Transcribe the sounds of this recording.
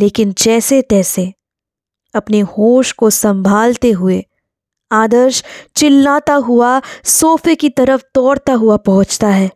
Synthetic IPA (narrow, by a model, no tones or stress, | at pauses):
leːkɪnd͡ʒɛːset̪ɛːse | ɐpnehoːʃkosɐ̃mbʱaːlt̪eɦʊe | aːd̪əɾʃt͡ʃɪlːaːt̪aɦʊasoːfekit̪ɐɾəft̪ɔːɽt̪aɦʊapɐɦʊ̃t͡ʃt̪aɦɛː